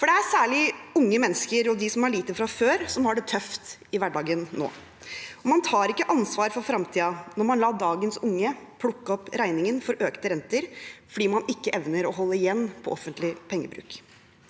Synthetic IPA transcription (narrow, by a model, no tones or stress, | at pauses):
fɔɖɛæsæːɭɪʊŋːəmɛnːəskəɾɔd̪ɪsɔmɑɭiːt̪əfɾɑføːɾsɔmhɑɖɛt̪ʰœft̪ɪʋæɖɑːɡənːo̰ː | ɔmɑnt̪ʰɑːɾɪkːəʔɑnsʋɑːɾfɔɾfɾɑmt̪ʰiːɑnɔɾmɑnlɑːd̪ɑːɡənsʊŋːəpʰlʊkːɔpɾæɪnɪŋənfɔɾʔøːkt̪əɾɛnt̪əɾfɔɖiːmɑnɪkːəʔɛʋnəɾɔɦɔlːəɪjɛnːpʰɔʔɔfənt̪lɪpʰɛŋːə̰bɾʉ̰ːk